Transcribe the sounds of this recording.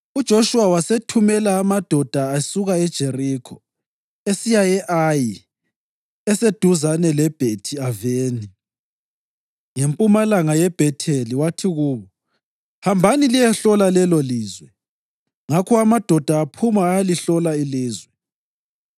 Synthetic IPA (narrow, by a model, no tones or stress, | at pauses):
ud̥ʒ̥ʱoʃuwawasetʰumɛlaːmad̥ʱɔd̥ʱaːsuɣaɛd̥ʒ̥ʱerikʰɔ | esijajɛʔaji | ɛsed̥ʱuzanɛlɛb̥ʱetʰiaveːni | ŋempʼumalaŋajɛb̥ʱɛtʰeliwatʰiɣuːβɔ | hambʱanilijɛɬɔlalɛloliːzwɛ | ŋakʰɔamad̥ʱɔd̥ʱaːpʰumaːaliɬɔlailiːzwɛ